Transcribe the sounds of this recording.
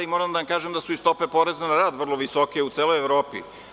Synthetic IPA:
imoɾamd̪ajamkaːʒemd̪asuist̪o̞pe̞po̞ɾeznanaɾaːd̪ʋr̩lˠo̞ʋiso̞keut̪seːlojeʋɾo̞ːpḭ

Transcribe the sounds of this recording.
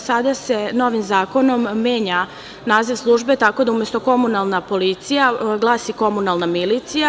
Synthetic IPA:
sad̪ase̞no̞ʋimzaːko̞no̞mːe̞ːɲa | naːziʋslˠuːʒbe̞t̪ako̞d̪aumje̞st̪o̞ko̞munalˠnapo̞lit̪sijaɡlˠaːsiko̞munalˠnamilit̪sija

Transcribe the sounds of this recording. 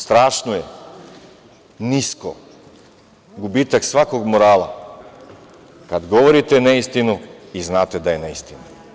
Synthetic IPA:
st̪ɾaːʃnoje | nisko̰ | ɡubiːt̪aksʋako̞ɡmoɾaːlˠa̰ | kad̪ɡo̞ʋoɾit̪eneist̪inuiznaːt̪e̞d̪ajeneist̪inu

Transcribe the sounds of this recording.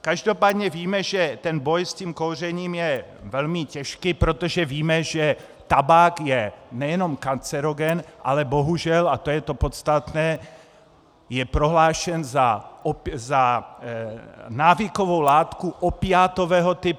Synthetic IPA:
kaʒdopaːd̪ɲɛviːmɛʒɛt̪ɛnbojsciːmkowr̝ɛɲiːmjɛvɛlmɪcɛʃkipɾot̪oʒɛviːmɛʒɛ | t̪abaːkjɛnɛjɛno̞mkant͡sɛɾoɡɛnʔa̰lɛboɦuʒɛlat̪ojɛt̪o̞pot̪st̪at̪nɛː | jɛpɾo̞ɦlaːʃɛnzaoza | naːvɪkovo̞wlaːt̪kuʔopɪaːt̪ovɛːɦot̪ɪp

